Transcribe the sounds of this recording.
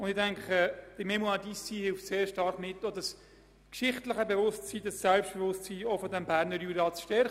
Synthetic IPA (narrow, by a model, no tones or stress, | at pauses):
ʊndɪdɛŋkχəd̥əmemuadisihɪlftseːɾʃtɑɾχmɪtːodɑs | kʃɪχtləχəbevʊstsiːd̥ɑsːɛlpʃt̚b̥evʊstsiːofɔdɛmbæːɾnəɾjyɾɑːt͡sʃtɛɾχ